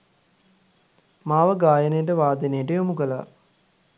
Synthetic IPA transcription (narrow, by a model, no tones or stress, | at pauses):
maːʋəɡaːjənejəʈ̬əʋaːd̪enejəʈəjomukəla